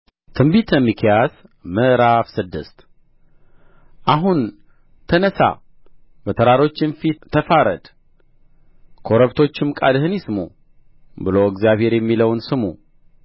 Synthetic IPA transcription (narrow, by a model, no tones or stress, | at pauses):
t̪ʰɨmbit̪ʰəmːikʰijazməʔɾafsɨd̪ːɨ̰st̪ | ʔaɦun | t̪ʰənəsa̰ | bət̪ʰəɾaɾo̞t͡ʃːɪnfit̪ʰːəfaɾə̰d̪ | kʰo̞ɾəβt̪ʰo̞t͡ʃːɪmkʼad̪hɨnjismṵ | bɨloɨɡzijaβhe̞ɾjɛmːiləwnsɨmṵ